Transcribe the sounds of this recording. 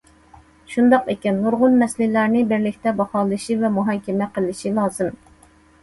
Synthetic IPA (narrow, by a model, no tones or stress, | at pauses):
ʃund̪ɑqekʲɛnːʊɾʁʊnmɛslɪlæɾnɪbɪɾlɪkʲt̪ɛbɑχɑːlˠɨʃivɛmuɦɑkʲɛmɛqʰəlˠɨʃilˠɑːzɨm